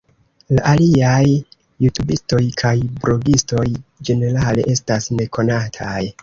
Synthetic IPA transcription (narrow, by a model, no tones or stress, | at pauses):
laʔaliajː | utubisto̞jkʰajbɾo̞ɡisto̞jd͡ʒe̞ne̞ɾale̞̰ʔe̞stasne̞kʰo̞natʰaj